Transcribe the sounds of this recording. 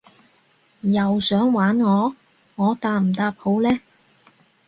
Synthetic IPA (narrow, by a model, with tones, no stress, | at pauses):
jɐ˨wsœː˨˥ŋwaː˨˥nŋɔː˨˧ | ŋɔː˨˧t̪aː˨˧m̩˨˩t̪aː˧p̚ho˨˧˥wlɛː˥